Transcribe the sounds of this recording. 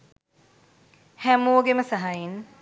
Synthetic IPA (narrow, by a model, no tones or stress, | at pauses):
hæmoːɡeməsaɦajin